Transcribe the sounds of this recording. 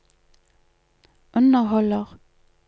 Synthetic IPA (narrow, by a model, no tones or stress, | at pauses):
ʔʉnəhɔləʁ